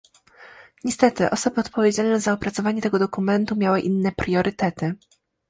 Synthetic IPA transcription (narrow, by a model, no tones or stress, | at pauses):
ɲɛst̪ɛt̪ɘʔɔsɔbɘɔt̪pɔvʲjed͡ʑalnɛzaɔpɾat̪sɔvaɲɛt̪ɛɡɔd̪ɔkumɛnt̪umʲjawɘʔinːɛpɾjɔɾʔɘt̪ɛt̪ɘ